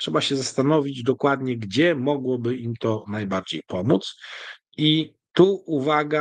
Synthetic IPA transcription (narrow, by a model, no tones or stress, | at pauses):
ʂɛbaɕɛzast̪anɔvʲid͡ʑd̪ɔkwad̪ɲɛɡd͡ʑɛmɔɡwɔbɘimt̪ɔnajbaɾd͡ʑejpɔmut̪s | i | t̪uuvaɡa